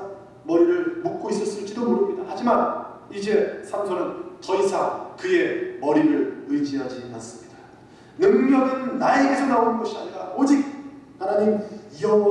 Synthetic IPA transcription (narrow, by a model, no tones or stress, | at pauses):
mʌɾiɾɯɭmuk̚k͈ois͈ʌs͈ɯɭt͡ɕ͈idomoɾɯmɲidahad͡ʑimanid͡ʑe̞sʰamsʰʌnɯnt͡ɕʌisʰakɯe̞mʌɾiɾɯɭɯjd͡ʑiɦad͡ʑinans͈ɯmɲida | nɯŋmjʌɡɯnːae̞ɡe̞sʰʌnaonɯnɡʌɕʰiaɲiɾaod͡ʑik̚hanaɲimʌ